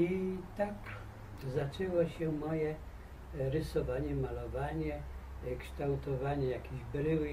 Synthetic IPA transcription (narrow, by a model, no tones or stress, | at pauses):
it̪ak | zat͡ʂɛwɔɕɛmɔjɛ | ɾɘsɔvaɲɛmalɔvaɲɛkʂt̪awt̪ɔvaɲɛjakʲiʑbɾɘw